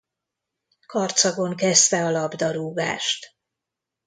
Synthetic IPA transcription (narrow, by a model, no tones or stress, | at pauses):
kɒrt̪sɒɡo̞ŋkɛst̪ɛɒlɒbd̪ɒɾuːɡa̰ːʃt̪